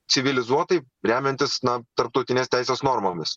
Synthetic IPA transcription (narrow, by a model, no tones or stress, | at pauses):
sʲɪʋʲɪlʲɪzuɔt̪ɐɪ | ɾʲæːmʲɛnʲt̪ʲɪsnɐt̪ɐɾp̚t̪ɔʊt̪ʲɪnʲeːst̪ʲæɪsʲeːsnoːɾmoːmʲɪs